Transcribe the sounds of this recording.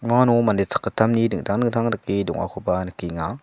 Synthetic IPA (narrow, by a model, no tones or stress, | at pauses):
manumandet͡sʰḁkːətʰamnidɯŋtʰaŋnɯŋtʰaŋdakidɔ̰ŋʔa̰kʰopanəkiŋa